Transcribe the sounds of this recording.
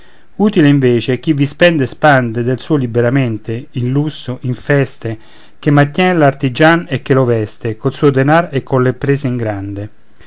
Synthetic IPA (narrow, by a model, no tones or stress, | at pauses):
uːt̪ileiɱveːt͡ʃek̟ivːispɛnd̪espand̪ed̪elsuːolibeɾament̪einlusoʔiɱfɛst̪e | k̟emːant̪jɛːnelart̪id͡ʒanekːelovɛst̪ekolsuːod̪enaɾekːonlepːɾeːseiŋɡɾand̪e